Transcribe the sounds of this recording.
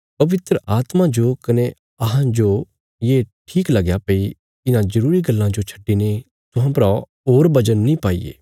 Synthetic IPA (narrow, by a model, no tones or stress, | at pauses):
pɐʋɪt̪ɾəʔaːt̪mãd͡ʒokɐne | ɐɦãd͡ʒo | jeːʈʰiːklɐɡjapɐi | ɪnãzɐɾuːɾiɡɐlːãd͡ʒot͡ʃʰɐ̥ʈːine | t̪ʊɦãpɾa | ɦoːɾbɐd͡ʒənːĩpaːḭːḛː